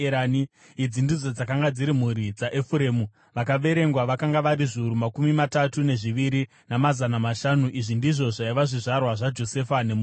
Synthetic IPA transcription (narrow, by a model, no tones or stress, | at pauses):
ani | id͡zindid͡zod͡zakaŋɡad͡ziɾimuɾid͡zaʔefuɾeːmu | ʋakaʋe̞ɾe̞ŋɡwaʋakaŋɡaʋaɾiʐiuɾumakumimatatune̞ʐiʋiɾi | namazanamaʃanuʔiʐindiʐo̞ʐaiʋaʐiʐarwaʐad͡ʒo̞se̞fane̞mu